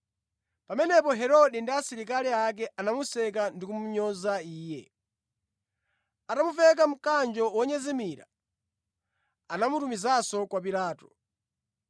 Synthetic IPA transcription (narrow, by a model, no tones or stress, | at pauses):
pamɛnɛpɔɦɛɾɔɗindiasiɾik̬aliak̬ɛʔanamusɛk̬andikumuɲɔzaiːjɛ̰ | atamuvɛk̬am̩kand͡ʒɔwɔɲɛzɛmiːɾa̰ | anamutumizasɔkwapilaːtɔ̥